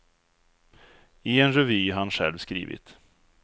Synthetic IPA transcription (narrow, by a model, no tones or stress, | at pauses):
ɪɛnɾɛvyːanɧɛ̰lvskɾḭːvɪ̰t̪